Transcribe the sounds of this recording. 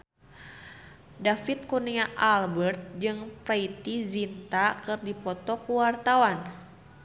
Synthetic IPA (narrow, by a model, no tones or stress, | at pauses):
dafit̪̚kuniaʔalbərt̪̚d͡ʒɨŋpɾait̪izint̪akɨrdipɔt̪ɔkuwart̪awan